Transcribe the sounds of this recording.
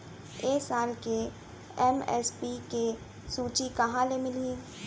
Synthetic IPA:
eːsaːlke | ɛmɛ̰ːspike | suːt͡ʃikɐɦãlemɪlĩ

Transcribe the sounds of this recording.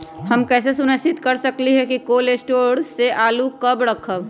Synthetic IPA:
həmkɛːs̬esʊnəsit̪kəɾsəkliɦɛkikolesʈoɽseʔaːlukəbɾəkʰəb

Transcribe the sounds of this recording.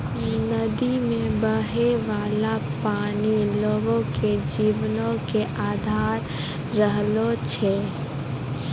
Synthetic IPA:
nɐd̪imẽbəɦeʋaːlapaːniloːɡõked͡ʒiːʋnõkeʔaːd̪ʱaːɾː | əɦlot͡ʃʰeː

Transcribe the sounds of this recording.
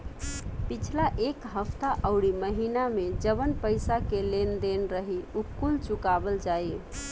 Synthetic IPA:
pit͡ʃʰlaʔekɦəpʰt̪aʔəʊɽiməɦinamed͡ʒəβənpəjsakelend̪enɾəɦiukːult͡ʃukabəld͡ʒaje

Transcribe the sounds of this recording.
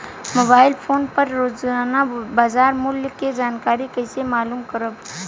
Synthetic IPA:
moːbaːɪlpʰoːnpəɾːozanabaːzaːɾmʊljked͡ʒaːnkaːɾikəɪsemaːluːmkəɾəb

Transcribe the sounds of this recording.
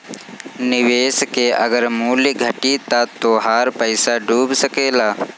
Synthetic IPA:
nɪʋeːskeɐ̰ɡəɾmuːliɡʱəʈit̪at̪oɦaːɾpəɪsaɖʱuːbsəkeːlaː

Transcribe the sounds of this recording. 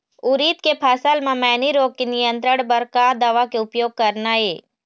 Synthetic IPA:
ʊɾiːt̪kepʰaːsəlmãmɛːniɾoːɡ̚kenijə̃nt̪ɾəɽ̃bəɾkaːd̪aʋakeʊpjoːɡ̚kɐɾnaeː

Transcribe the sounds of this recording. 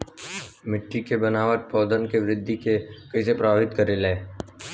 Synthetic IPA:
mɪʈːikebənaːʋət̪̚pɔːd̪ənkeʋɾɪd̪ʱːikekɐisepɾəbʱaːʋɪt̪kəɾeleː

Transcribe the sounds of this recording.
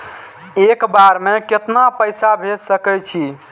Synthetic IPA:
ekbaɾmeket̪napəjsabʱesəkɛjt͡ʃʰi

